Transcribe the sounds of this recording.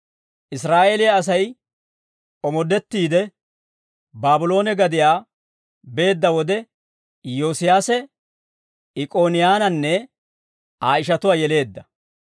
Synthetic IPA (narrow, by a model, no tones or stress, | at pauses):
ʔɪs̬ɾaːʔeːlɪjaːs̬ɐj | ɔmɔd̪ɛt̪ːiːd̪ɛ | baːbʊlo̞ːnɛɡɐd̪ɪjaː | be̞ːd̪ːɐwɔd̪ɛ | jo̞ːsɪjaːsɛ | ɪkʼo̞ːnɪjaːnɐnːɛ | aːɪʃ̬ɐt̪ʊwaːjɛle̞ːd̪ːɐ